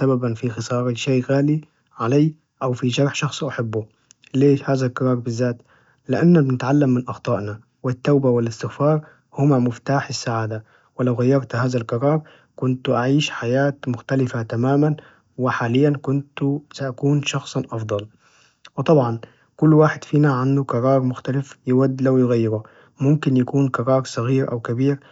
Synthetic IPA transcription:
sababanfixɨsˤɑːɾˤɑʃaːɣaːli | ʕalaː | ʔawfiʒɑɾˤħʃɑxsˤʔaħɪbːʊ | leːhaːðalqɨɾˤɑːɾˤbɪzːaːt̪ | lɪʔanːabɪnɪt̪ʕalːamːɪnʔɑxt̪ˤɑːʔna | wɪt̪ːaːbawɪlɪst̪ɪxfɑːɾˤ | hʊmamɪft̪aːħɪsːaʕaːd̪a | wɪlawɣajːɑɾˤt̪haːðalqɑɾˤɑːɾˤ | kʊnt̪ʔaʕiːʃħajaːt̪mʊxt̪alɪfat̪amaːman | wɪħaːlɪjːankʊnt̪saʔakuːnʃɑxsˤʔɑfd̪ˤɑl | wɪt̪ˤɑbʕɑn | kʊlːwaːħɪd̪fiːnaʕand̪ukɑɾˤɑːɾˤmʊxt̪alɪfjɪwad̪ːlawjɪɣajːɪɾu | mʊmkɪnjakuːnkɑɾˤɑːɾˤsˤɑɣiːɾʔa̰wkabiːɾ

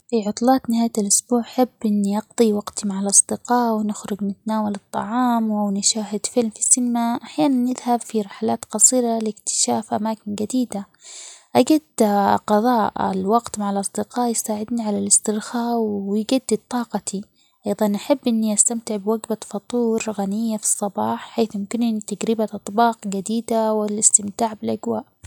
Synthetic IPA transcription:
fiʕʊt̪ˤlɑːt̪nɪhaːjalʔʊsbuːʕaħabːʔɪnːiʔɑɡd̪ˤiwɑɡt̪imaʕalʔɑsˤd̪ɪqɑːʔwɪnɪxɾʊɡnɪt̪anaːwalɨt̪ˤːɑ̰ʕɑːmwʔawnɪʃaːɦɪd̪fɪlmfi̥sːɪnɪmaʔaħjaːnanːɪðhabfiɾˤɪħalaːt̪qɑsˤiːɾalɪkt̪ɪ̥ʃaːfʔamaːkɪnɡad̪iːd̪a | ʔaɡad̪qɑðˤɑːʔɪ̰lwɑɡt̪maʕalʔɑsˤd̪ɪqɑːʔjɪsaːʕɪd̪niʕalalɪst̪ɪɾxaːʔwjɡad̪ːɪd̪̚t̪ˤɑːqɑt̪ʰi | ʔɑjðˤɑnʔaħabːʔɪnːiʔast̪amt̪ɪʕbwaɡbafɑt̪ˤuːɾɣanɪjːafi̥sˤːɑbɑːħħeːθmɪmkɪnɪnt̪aɡɾɪbaʔɑt̪ˤbɑːqɡad̪iːd̪awɪlɪst̪ɪmt̪aːʕbɪlʔaɡwaːʔ

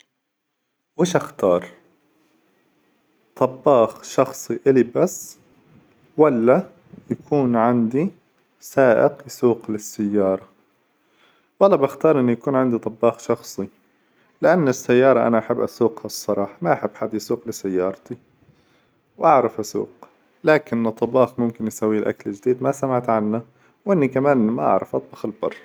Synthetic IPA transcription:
wɪːʃʔaxt̪ɑːɾˤ | t̪ˤɑbːɑːxʃɑxsˤiʔɪlibasː | walːa | jakʰuːnʕɪnd̪i | saːʔɪ̰qjsuːqlɪsːajːɑːɾˤɑ | walːɑbaxt̪ɑːɾˤʔɪnːujakuːnʕand̪it̪ˤɑbːɑːxʃɑxsˤi | lɪʔanːɪsːajːɑːɾˤɑʔa̰naʔaħɪbːʔasuːqhasˤːɑɾˤɑːħɑmaʔaħɪbːħad̪ːjsuːqlɪsajːɑːɾˤt̪i | wʔaʕɾˤɑfʔasṵːq | laːkɪnːt̪ˤːɑbɑːxmʊmkɪnjsawːilʔa̰klɪd͡ʒd̪iːd̪masamaʕt̪ʕanːa | wʔɪnːikamaːnʔmaʔa̰ʕɾˤɑfʔɑt̪ˤbɑːxɪlbɑ̰rˤː

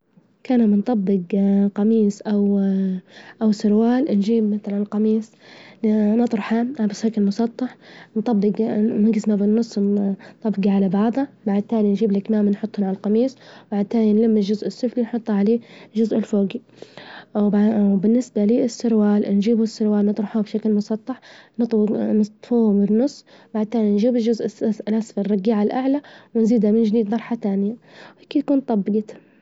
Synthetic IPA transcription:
kaːnamɪnt̪ˤɑbːɪɡqɑmiːsˤʔaw | ʔawsʊɾwaːlnʒiːbmaθalanlqɑmiːsˤ | nɑt̪ˤɾɑħamʔabɪsˤheːkɪlmʊsˤɑt̪ˤːɑħnt̪ˤɑbːɪɡmɪŋɡɪsmabɪnːʊsˤːt̪ˤɑbːɡiʕalabɑʕd̪ˤɑbaʕd̪̚t̪ːaːlinʒiːblɪkmaːmnħʊt̪ˤːhʊnʕalalqɑmiːsˤbaʕd̪̚t̪aːlinlamːɪʒʊzʔɪsːʊflinħʊt̪ˤːɑʕaleːʒʊzʔɪlfoːɡi | bɪnːɪsbaliːɪsːʊɾwaːlnʒiːbʊsːʊɾwaːlnɨt̪ˤɾˤɑħuːbʃaklmʊsˤɑt̪ˤːɑħnɨt̪ˤnɨst̪ˤfuːhʊbɪnːʊsˤː | baʕd̪̚t̪aːlinʒiːbɪlʒʊzʔɪsaslʔasfrˤːɑɡiːʕalʔaʕlawɪnziːd̪hamɪnd͡ʒd̪iːd̪mɑɾˤħat̪aːnɪjawhakiːkuːnt̪ˤɑbːɪɡi

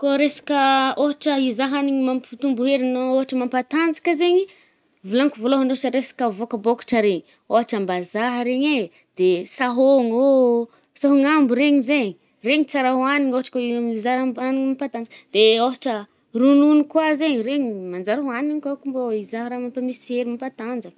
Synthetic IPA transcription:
koɾesḁkʲəoɦaʈ͡ʂəizaɦaniɲimampi̥t̪umbuɦeɾinooɦaʈ͡ʂəmampat̪and͡zi̥kzeɲi | vilaŋkuvoloɦanoɦaʈ͡ʂəɾesḁkəvokəboku̥ʈ͡ʂəɾeɲi | oɦaʈ͡ʂəmbazaɦəɾeɲe | d̪̥esaɦoŋo | saɦoŋambuɾeɲizeɲi | reɲit͡saɾaɦwaniɲoɦaʈ͡ʂə̥kaizaɾaaniɲimampat̪and͡zakd̪̥eoɦaʈ͡ʂə | rununikwazeɲireɲimand͡zaɾaɦaniɲkakumboizaɦɾamampamiseɾimampat̪and͡zak

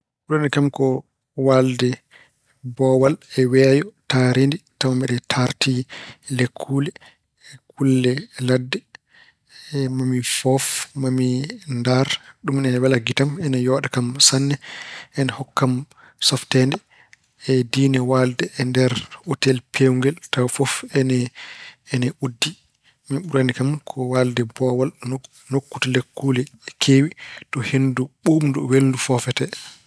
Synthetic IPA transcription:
ɗɔnɛkamkɔ | waldɛ | bɔwalɛwɛːjɔtaɾenditawambɛɗɛtʰaɾtʰilekʰːuːlɛː | kulːɛladːɛ | mamifɔfmamindaɾɗumɛwɛlaɡitamɛnajɔːɗakamsanːɛʔɛnɛhɔkːam | sɔftɛndɛ | ɛdinɛwaldɛɛndɛɾotɛlpʰewuŋɡɛltafɔfɛnɛː | nɛudːi | miɓuɾanikamkʰɔwaldɛbɔwal | nokːutalekːulɛkʰeːwitɔhenduɓumnduweldufɔfɛtɛ

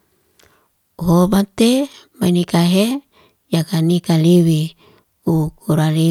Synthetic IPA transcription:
uɦobat̪emainikaɦe | jakanikaliwi | ukuɾali

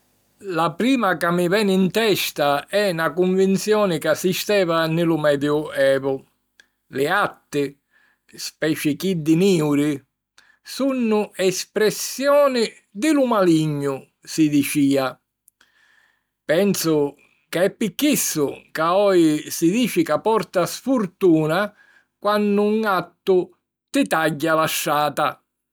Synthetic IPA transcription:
lapɾiːmakamːɪvɛːnɪint̪ɛʃt̪aɛnakuɱvint̪sjɔːnɪkasːist̪ɛːvanɪlʊmɛːd̪jʊɛːvʊ | lɪat̪ːɪ | spɛːt͡ʃɪkid̪ːɪmiːwɾɪ | sunːʊɛspɾɛsːjɔːnɪ | d̪ɪlʊmaliɲːʊ | sɪd̪it͡ʃiːa | pɛnsʊ | kɪɛpːikːisːʊkaɔɪsid̪iːfikapɔrt̪asfurt̪uːna | kwanːʊŋat̪ːʊ | t̪ɪt̪aɟːalaʃːaːt̪a

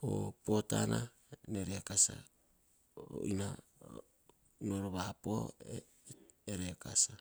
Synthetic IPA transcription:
o̰po̞tana | neɾeakasa̰ | o̰ʔina | noɾoβapoe | eɾekasa

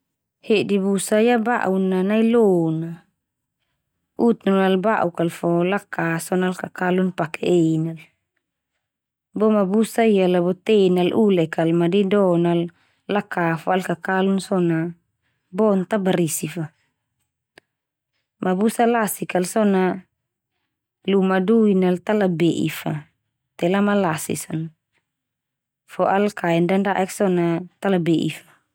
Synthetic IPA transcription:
hedibusaijaba̰ʔunanailona | ut̪unlalbaʔukalfɔlakasɔnalkakalunpakɛenal | bɔmabusaijalabɔt̪enalʔulɛkalmadidɔnalː | akafalkakalunsɔna | bɔnt̪abaɾisifa | mʔabusalasikalsɔna | lumaduinalt̪alabeʔḭfa | t̪ɛlamalasḭsɔn | fɔʔalkaɛndandaʔɛksɔnat̪alabeʔḭfḁ

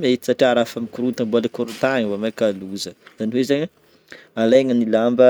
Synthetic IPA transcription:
met̪i̥saʈ͡ʂiaɾafamikuɾut̪aŋbalekoɾut̪aɲwamajkaluzəz̥aniwezaɲə | alajŋənilambə

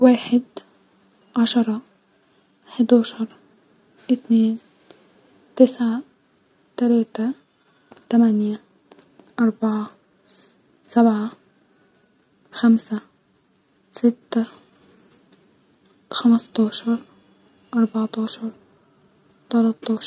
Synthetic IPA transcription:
waːħɪd̪ | ʕaʃɑɾˤɑ | ħɪd̪ɑːʃɑɾˤ | ʔɪt̪neːn | t̪ɪsʕa | t̪alaːt̪a | t̪amanja | ʔɑɾˤbɑʕa | sabʕa | xamsa | sɪt̪ːa | xamɑst̪ɑːʃɑɾˤ | ʔɑɾˤbɑʕt̪ɑːʃɑɾˤ | t̪ɑlɑt̪ˤːɑːʃ

